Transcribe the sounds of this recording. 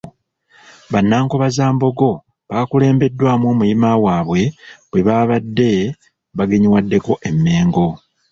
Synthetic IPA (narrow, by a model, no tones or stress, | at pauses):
βanːaːŋko̞βazaːmbo̞ɡo̞ | βaːkule̞ːmbe̞dːwaːmwo̞ːmujimawaːβwe̞βwe̞βaːβadːe̞ | βaɡe̞ɲiwadːe̞ko̞ʔe̞mːe̞ːŋɡo̞